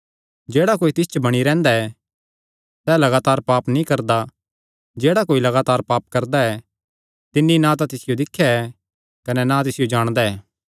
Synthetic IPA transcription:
d͡ʒɛːɽakoːit̪ɪst͡ʃəbɐɽ̃iɾɛ̃ːnd̪aɛ | sɛːlɐɡaːt̪aːɾpaːpnĩkɐɾd̪a | d͡ʒeːɽakoːilɐɡaːt̪aːɾpaːp̚kɐɾd̪aɛ | t̪ɪnːinãt̪ãt̪ɪsɪjod̪ɪkʰːjaɛ | kɐnɛnat̪ɪsɪjod͡ʒaːɽ̃d̪aɛː

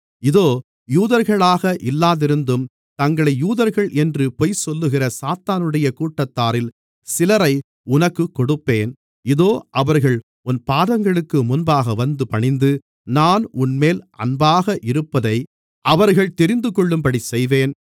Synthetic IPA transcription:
ɪðoː | juːðɐɾɣɐɭaːɣɐʔɪlːaːðɪɾɯnd̪ɯm | t̪ɐŋɡɐɭɐɪjuːðɐɾɣɐɭʔɛndrɯpɔjsɔlːɯɣɪrɐsaːt̪aːnɯɽɐjɐkuːʈːɐt̪ːaːɾɪl | sɪlɐɾɐɪ | ʊnɐkːɯkːɔɽɯpːeːn | ɪðoːʔɐʋɐɾɣɐɭ | ʊnpaːðɐŋɡɐɭɯkːɯmʊnbaːɣɐʋɐnd̪ɯpɐɳɪnd̪ɯ | naːnʊnmeːlʔɐ̰nbaːɣɐʔɪɾɯpːɐðɐɪ | ʔɐʋɐɾɣɐɭt̪ɛɾɪnd̪ɯkɔɭːɯmpɐɽisɛjʋeːn

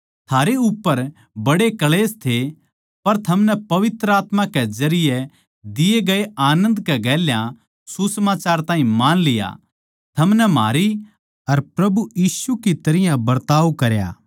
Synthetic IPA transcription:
t̪ʰaːɾeʊpːəɾ | bɐɽekɐleːst̪ʰe | pɐɾt̪ʰɐmnɛpɐʋɪt̪ɾəaːt̪mãkezɐɾɪje | d̪ɪjeɡɐeaːnə̃nd̪kɛɡɛːljã | susɐmaːt͡ʃaːɾt̪ãːɦĩmaːnlɪja̰ | t̪ʰɐmnɛma̰ːɾi | ɐɾpɾɐbujiːsukit̪ɐɾɪjãbɐɾt̪aːʋkɐɾja̰ː

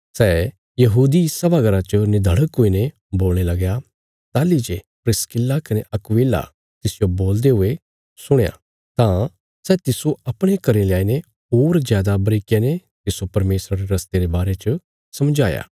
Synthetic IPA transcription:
sɛː | jɐɦuːd̪isɐbaɡɐɾat͡ʃənɪd̪ʱəɽəkːoine | boːlɽ̃elɐɡja | t̪aːlid͡ʒe | pɾɪskɪlːakɐneʔɐkʋeːla̰ | t̪ɪsɪjoboːld̪eɦʊe | sʊɽ̃eja̰ | t̪ã | sɛːt̪ɪsoɐpɽ̃ekɐɾeleaːine | oːɾd͡ʒjaːd̪abɐɾɪkene | t̪ɪsopɐɾmeːsɾaɾeɾɐst̪eɾebaːɾet͡ʃə | sɐmd͡ʒaːja̰ː

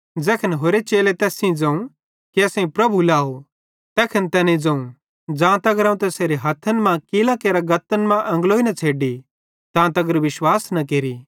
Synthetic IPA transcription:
d͡zɛːkʰənɦoːɾet͡ʃeːlet̪ɛːsĩd͡zɐ̃ũ | kiɐsɛ̃ĩpɾɐbʱulaːɦo | t̪ɛːkʰɐnt̪ɛːnẽd͡zɐ̃ũ | d͡zãːt̪ɐɡəɾɐ̃ũt̪ɛseːɾeɦɐt̪ʰːənmãkilãkeːɾaɡɐt̪ːənmãʔɐ̃ŋɡloːinɐt͡sʰeːɖi | t̪ãːt̪ɐɡəɾʋɪʃwaːsnɐk̬eːɾi

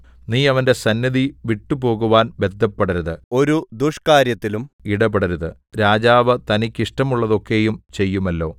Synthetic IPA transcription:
niːɐʋɐnde̞sɐnjɐðiʋiʈːupo̞ːɣuʋaːnbe̞d̪ʱːɐpːeɽɐɾuðɨo̞ɾud̪uʂkaːɾjɐt̪ːilumiɽɐbɐɽɐɾuðɨ | ɾaːd͡ʑaːʋɐt̪ɐnikʲːiʂʈɐmuɭːɐðo̞kːe̞ːjumt͡ɕe̞jːumɐlːo̞ː

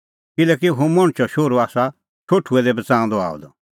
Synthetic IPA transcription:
kɪlɛːkiɦũmɔ̃ɽ̃t͡ʃʰɔʃoːɾoaːsa | t͡ʃʰoːʈʰuɛd̪ɛbɐt͡sãːʊ̃nd̪ɔa̰ːɔ̰d̪ɔ

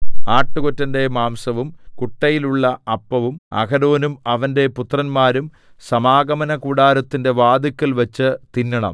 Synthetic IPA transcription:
aːʈːukotːɐnde̞maːmsɐʋumkuʈːɐjiluɭːɐɐpːɐʋumɐ̰kɐɾo̞ːnumɐʋɐnde̞put̪rɐnmaːɾum | sɐmaːɡɐmɐnɐkuːɽaːɾɐt̪ːinde̞ʋaːd̪ikʲːɐlʋɐt͡ɕːɨt̪inːɐɳɐ̰m

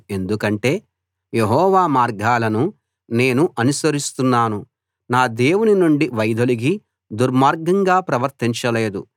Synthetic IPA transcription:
e̞nd̪ukɐɳʈe̞ː | je̞ɦɔːʋaːmaːɾɡʱaːlɐnu | ne̞ːnuʔɐnusɐɾist̪unːaːnu | naːd̪e̞ːwuninuɳɖiʋɐjd̪ɐliɡi | d̪uɾmaːɾɡɐŋɡaːpɾɐʋɐɾt̪iɲt͡ʃɐle̞ːd̪u

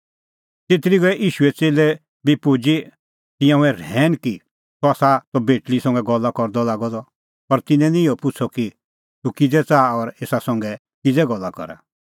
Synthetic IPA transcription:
t̪et̪ɾiɡɔɛʔiːʃuɛt͡seːlɛ | bipod͡ʒi | t̪ɪ̃jãũɛɾɛːnki | t̪ɔaːsat̪ɔbeːʈlisɔ̃ŋɡɛɡɔlːakɔɾd̪ɔlaːɡɔd̪ɔ | pɐɾt̪ɪnɛ̃nĩɔpʊt͡sʰɔki | t̪ukid͡zɛt͡saːɔɾeːsasɔ̃ŋɡɛ | kid͡zɛɡɔlːakɔ̰ɾa̰

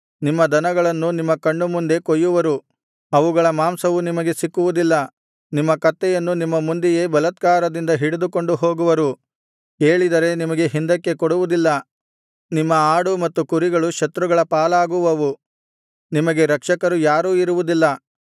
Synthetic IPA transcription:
nimːɐd̪ɐnɐɡɐɭɐnːunimːɐkɐɳɖumund̪e̞kojːuʋɐɾu | ɐʋuɡɐɭɐmaːmsɐʋunimɐɡe̞sikːuʋud̪ilːɐ | nimːɐkɐt̪ːɛjɐnːunimːɐmund̪ije̞ːbɐlɐt̪kaːɾɐd̪ind̪ɐɦiɽed̪uko̞ɳɖuɦo̞ːɡuʋɐɾu | e̞ːɭid̪ɐɾe̞nimɐɡe̞ɦind̪ɐkːe̞koɽuʋud̪ilːɐ | nimːɐaːɽumɐt̪ːukuɾiɡɐɭuʃɐt̪ɾuɡɐɭɐpaːlaːɡuʋɐʋu | nimɐɡe̞ɾɐkʂɐkɐɾujaːɾuːiɾuʋud̪ilːɐ

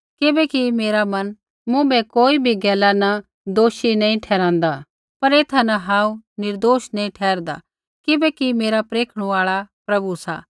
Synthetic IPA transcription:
kɪbɛkimeːɾamɐn | mʊ̃bɛkoːibʱiɡɛːlanɐ | d̪oːʃinɐ̃ĩʈʰɛːɾãːnd̪a | pɐɾeːt̪ʰanɐɦãːũnɪɾd̪oːʃnɐ̃ĩʈʰɛːɾd̪a̰ | kɪbɛkimeːɾapɾeːkʰɽ̃ũaːɭapɾɐbusa̰ː

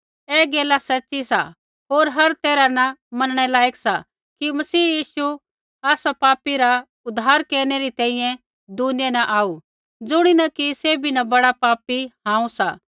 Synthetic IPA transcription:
ɛːɡeːlasɐtːʃisa̰ | ɦoːɾɦɐɾt̪eːɾanɐmɐnəɽ̃ɛlaːeksa | kimɐsiːjiːsu | aːsapaːpiɾa | ʊd̪ʱːaːɾkeːɾñeɾit̪ɛ̃ːĩjɛ̃ | d̪uːnjɛnɐʔaːu | d͡zʊɽ̃inɐkiseːbʱinɐbɐɽapaːpihãːũsa̰ː

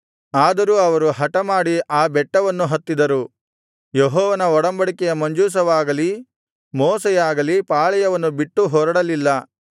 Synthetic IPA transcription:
aːd̪ɐɾuːɐʋɐɾuɦɐʈɐmaːɽiaːbɛʈːɐʋɐnːuɦɐt̪ːid̪ɐɾu | jeɦɔːʋɐnɐɔɽɐmbɐɽikɛjɐmɐɲd͡ʒuːs̬ɐʋaːɡɐli | mɔːsɛjaːɡɐlipaːɭɛjɐʋɐnːubiʈːuɦɔːɾɐɽɐlilːɐ

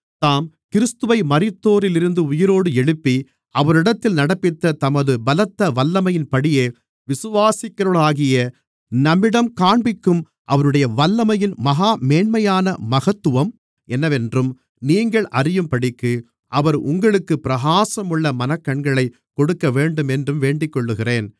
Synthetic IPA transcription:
t̪aːm | kɪɾɯst̪ɯʋɐɪmɐɾɪt̪ːoːɾɪlɪɾɯnd̪ɯʊjɪɾoːɽɯɛɭɯpːi | ɐʋɐɾɪɽɐt̪ːɪlnɐɽɐpːɪt̪ːɐt̪ɐmɐðɯbɐlɐt̪ːɐʋɐlːɐmɐjɪnpɐɽɪjeː | ʋɪsɯʋaːsɪkːɐɾɯɭaːɣɪjɐ | nɐmːɪɽɐmkaːɳbɪkːɯm | ʔɐ̰ʋɐɾɯɽɐjɐʋɐlːɐmɐjɪnmɐɣaːmeːɳmɐjaːnɐmɐɣɐt̪ːɯʋɐm | ɛnːɐʋɛndrɯm | niːŋɡɐɭʔɐrɪjɯmpɐɽɪkːɯ | ʔɐʋɐɾʊ̰ŋɡɐɭɯkːɯpɪɾɐɣaːsɐmɯɭːɐmɐnɐkːɐɳɡɐɭɐɪ | kɔɽɯkːɐʋeːɳɖɯmɛndrɯmʋeːɳɖɪkːɔɭːɯɣɪreːn

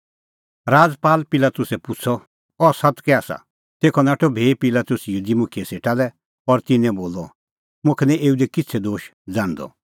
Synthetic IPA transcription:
ɾaːd͡zpaːlpɪlaːt̪ʊsɛpʊt͡sʰɔ | ɔsɐt̪kɛaːsa̰ | t̪eːkʰɔnaːʈʰɔbʱeːpɪlaːt̪ʊsjud̪imʊkʰijɛseːʈalɛ | ɔɾt̪ɪnɛ̃boːlɔ | mʊ̃kʰɛnɛ̃ʔeːud̪ɛkɪtt͡sʰɛd̪oːʃ | d͡zãːnd̪ɔ̰

